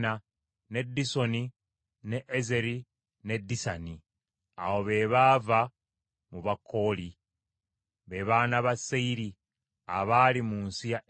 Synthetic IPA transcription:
na | ne̞dːiso̞ni | ne̞ʔeze̞ɾi | ne̞dːisani | a̰wo̞βe̞ːβaːva | muβakʰːo̞ːli | βe̞βaːnaβaseiɾi | aβaːlimuːnsija

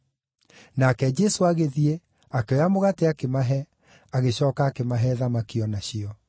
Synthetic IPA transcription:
nakɛd͡ʑɛsoaɣeðie | akeɔamoɣateakemaɦɛ | aɣeɕɔːkaːkemaɦɛðamakiɔnaɕiɔ

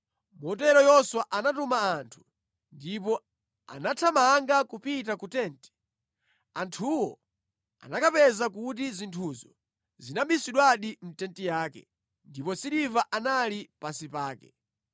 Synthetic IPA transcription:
mɔt̬ɛɾɔjɔswaʔanatumaːntʰu̥ | ndipɔ | a̰natʰamaŋɡakupit̬akutɛːntɛ̥ | antʰuwɔ | a̰nakapɛzakut̬izintʰuzɔ | zinambisiɗwaɗim̩tɛntijaːkɛ̰ | ndipɔsiɾivaʔanalipasipaːkɛ

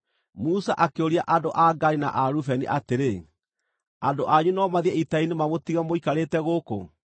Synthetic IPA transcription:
musaʔakeoɾiaʔadoʔaɡaɾina̰ʔaɾufɛniʔateɾe | andoʔaɲunɔmaðiɛitainemamotiɣamoikaɾeːtɛɣoko̰

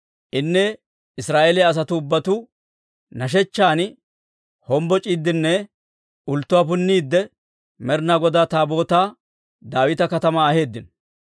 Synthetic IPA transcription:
ʔɪnːɛ | ɪsɾaːʔelɪjaɐs̬ɐt̪ʊːbːɐt̪ʊ | nɐʃ̬ɛt͡ʃːaːn | hɔmbɔt͡ʃʼiːd̪ːɪnːɛ | ʊlt̪ːʊwaːpʊnːiːd̪ːɛ | mɛɾnaɡɔd̪aːt̪aːbo̞ːt̪aː | d̪aːwɪt̪ɐkɐt̪ɐmaːhe̞ːd̪ːɪn

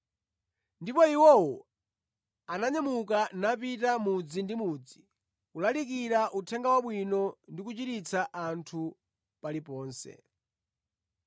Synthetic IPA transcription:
ndipɔiwɔwɔ | anaɲamukanap̬itamud͡zindimuːd͡zi | kulalik̬iɾaʔutʰɛŋɡawaɓwinɔndik̬ut͡ʃitit͡sʰaʔantʰu | palipɔːnsɛ̰

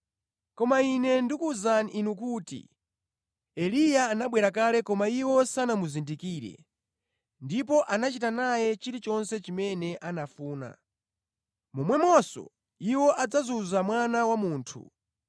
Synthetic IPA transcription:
kɔmainɛndikuzaninukuːtḭ | ɛlijaːnaɓwɛɾak̬alɛkɔmaiwɔsanamuzindikiːɾɛ̰ | ndipɔʔanat͡ʃitanajɛt͡ʃiɾit͡ʃɔnsɛt͡ʃimɛnɛʔanafuːna̰ | mumwɛmɔsɔ̰ | iwɔʔad͡zazuzamwanawamuːntʰṵ

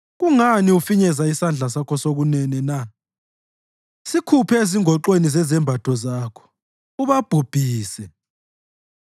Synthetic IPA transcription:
ɣuŋaniufiɲɛzaisand͡ɮʱas̬akʰɔsoɣunɛnɛna | sikʰupʰɛeziŋʱɔǃwenizɛzɛmbʱatʰɔzaːkʰɔ̥ | uβab̥ʱub̥ʱiːsɛ

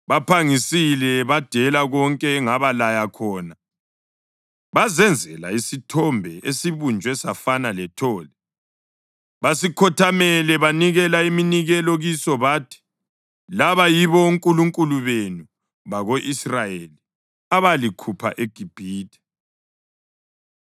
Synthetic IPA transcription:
βapʰaŋisilɛβad̥ʱɛlaɣɔŋkʼɛːŋaβalajakʰɔːna | βazɛnd͡zʱɛla̰isitʰɔmbʱɛʔesiβund͡ʒʱwɛsafanalɛtʰɔːlɛ | βasikʰɔtʰamɛlɛβaniɣɛlaiminiɣɛlɔɣisɔβaːtʰi̥ | laβajiβɔuŋkʼuluŋkʼuluβenu | βaɣoʔisrajeli | aβalikʰupʰa̰ʔeɡ̥ʱib̥ʱiːtʰʼɛ̥

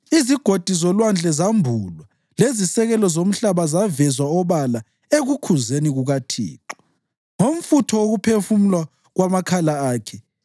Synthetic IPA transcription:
iziɡ̥ʱod̥ʱizɔlwand͡ɮʱɛzambʱuːlwa | lezisɛɣɛlɔzom̩ɬaβazavɛzwaɔβala | eɣukʰuzeniɣuɣatʰḭːǁɔ̥ | ŋom̩futʰɔoɣupʰefumulwa | ɣwamakʰalaaːkʰɛ

